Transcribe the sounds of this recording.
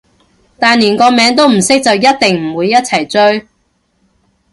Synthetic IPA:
t̪aː˨niː˨˩nkɔː˧mɛː˨˧˥ŋt̪̬o˥wm̩˨˩sɪ˥k̚t͡sɐ˨wjɐ˥t̚t̪ɪ˨ŋm̩˨˩wuː˨˧jːɐ˥t̚t͡sʰɐ˨˩jt͡ʃɵ˥ɥ

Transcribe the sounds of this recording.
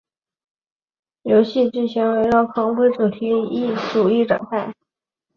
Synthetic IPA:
jo˧˥ʊɕi˥˧ʈ͡ʂ̩˥˩ɕi˧˥ŋwe˧˥ɪʈ͡ʂɑ˥˩ʊkʰɑ˧˥ŋpwe˥ɪʈ͡ʂu˨˩t̪ʰi˧˥i˥˩ʈ͡ʂu˨˩i˥˩ʈ͡ʂwa̰˨˩ŋkʰa˥˩ɪ

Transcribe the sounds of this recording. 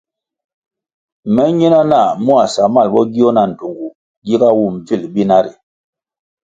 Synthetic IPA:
mɛ˦ɲi˦na˦na˦˨mu˦a˨sa˨ma˦˨lbɔ˦ɡi˦ɔ˦na˨n̩˨tu˨ŋɡu˨ | ɡi˦ka˦wu˦˨m˨vi˦˨lbi˦na˦ɾi˨

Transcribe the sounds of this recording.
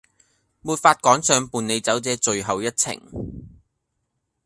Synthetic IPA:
muː˨˧t̚faː˧t̚kɔː˨˥ŋsœː˨˧ŋpuː˨ne˨˧jt͡sɐ˨˥wt͡sɛː˨˥t͡ʃɵ˨ɥɦɐ˨wjɐ˥t̚t͡sʰɪ̰˨˩ŋ

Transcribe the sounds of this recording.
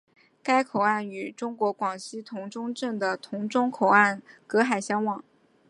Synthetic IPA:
ka˥ɪkʰo˨˩ʊa˥˩ny˨˩ʈ͡ʂʊ˥ŋkwɔ˧˥kwɑ˨˩ŋɕi˥t̪ʰʊ˧˥ŋʈ͡ʂʊ˥ŋʈ͡ʂə˥˩ŋd̪ə˩t̪ʰʊ˧˥ŋʈ͡ʂʊ˥ŋkʰo˨˩ʊa˥˩nkɤ˧˥xa˨˩ɪɕjɑ˥ŋwɑ˨˩˦ŋ

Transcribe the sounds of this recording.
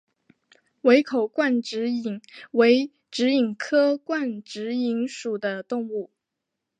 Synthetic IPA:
we˧˥ɪkʰo˨˩ʊkwa˥˩nʈ͡ʂɻ̩˧˥i˨˩ŋwe˧˥ɪ | ʈ͡ʂɻ̩˧˥i˨˩ŋkʰɤ˥kwa˥˩nʈ͡ʂɻ̩˧˥i˧˥ŋʂu˨˩d̪ə˦t̪ʊ˥˧ŋu˥˩

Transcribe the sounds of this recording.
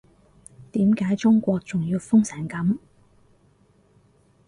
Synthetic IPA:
t̪iː˨˥mkaː˨˥jt͡ʃʊ˥ŋkʷɔː˧k̚t͡sʊ˨ŋjiː˧wfʊ˥ŋsɛː˨˩nkɐ˨˥m

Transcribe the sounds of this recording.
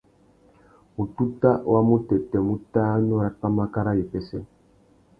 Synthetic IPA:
mu˨tu˦ta˦wa˦mu˦tɛ˨tɛ˨mu˦taː˦ɲɔ˦ɾa˦k͡pa˦ma˦ka˦ɾa˦ji˨pɛ˨sɛ˦

